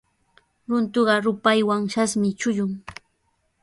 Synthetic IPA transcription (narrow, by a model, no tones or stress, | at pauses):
ɾʊnt̪ʊɢɑɾʊpajwaŋʃasmɪt͡ʃʊjʊŋ